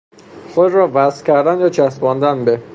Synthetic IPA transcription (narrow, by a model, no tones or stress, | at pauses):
xod̪ɾɒːvæscʰʲæɾd̪ænjɒːt͡ʃʰæsbɒːnd̪ænbe